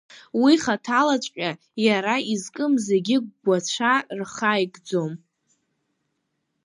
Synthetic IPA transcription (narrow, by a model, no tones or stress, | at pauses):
wiχatʰalat͡ʃʷʼkʲʼa | jaɾaizkʼɨmze̞ɡʲɪɡ̚ʷɡʷat͡ɕʷʰarχajɡd͡zo̞m